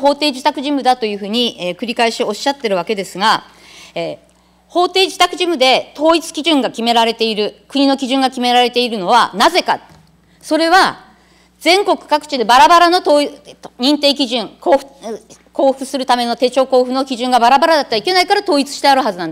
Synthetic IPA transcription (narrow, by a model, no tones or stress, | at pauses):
ɦo̞ːt̪e̞ːd͡ʑit̪akɯ̟ʑimɯ̟d̪at̪o̞jɯ̟ːɸɯ̟ːɲ̟iekɯ̟ɾʲikaeɕio̞ɕːat̪ːe̞ɾɯ̟βake̞d̪e̞sɨɡa | e | ho̞ːt̪e̞ːd͡ʑi̥t̪akɯ̟ʑimɯ̟d̪e̞t̪ʰo̞ːit͡sɨ̥kʲiʑɨ̃ŋɡakʲime̞ɾaɾe̞t̪e̞iɾɯ̟kɯ̟ɲ̟ino̞kʲiʑɨ̃ŋɡakʲime̞ɾaɾe̞t̪e̞iɾɯ̟no̞β̞anaze̞ka̰ | so̞ɾe̞βa | d͡zẽ̞ŋko̞kɯ̟̥kakɯ̟̥t͡ɕid̪e̞baɾabaɾano̞t̪oːiɲ̟ĩnt̪e̞ːk̬ʲiʑɨ̃ŋko | ko̞ːɸɯ̟sɨɾɯ̟t̪ame̞no̞t̪e̞ːt͡ɕo̞ːko̞ːɸɯno̞kʲiʑɨ̃ŋɡabaɾabaɾad̪at̪ːeaike̞naikaɾat̪o̞ːit͡sɨ̥ɕi̥t̪eaɾɯ̟ɦazɨnand̪e